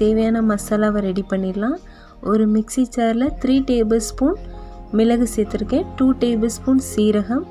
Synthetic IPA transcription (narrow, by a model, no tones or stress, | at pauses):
t̪eːʋɐjaːnɐmɐsɐːlaːʋɐɾɛɽipɐɳːiːɾlãː | ʔɔɾɯmɪksit͡ʃːaːɾɪlɐt̪ɪɾiːʈeːbɐlspuːnmɪlɐɣɯseːt̪ːɪɾɯkːẽːʈuːʈeːbɐlspuːnsiːɾɐɣɐm